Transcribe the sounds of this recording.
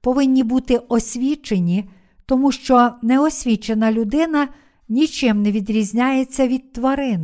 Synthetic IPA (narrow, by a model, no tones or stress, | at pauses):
pɔʋɪnʲːibut̪ɪɔsʲʋʲit͡ʃe̞nʲi | t̪ɔmuʃt͡ʃɔnɛɔsʲʋʲit͡ʃe̞nɐlʲʊd̪ɪnɐ | nʲit͡ʃɪmneʋʲid̪ɾʲizʲnʲajet͡sʲːɐʋʲid̪̚t̪ʋɔɾɪn